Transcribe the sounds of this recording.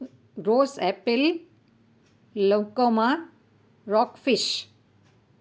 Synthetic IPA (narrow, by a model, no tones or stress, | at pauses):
ɾoːsɛpil | okoma | ɾɔkfiʃ